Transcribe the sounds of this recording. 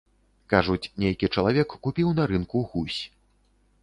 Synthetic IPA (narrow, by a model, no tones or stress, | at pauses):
kaʐut͡sʲnʲejkʲit͡ʂɐlˠavʲɛkːupʲiwnɐɾɨnkuɣusʲ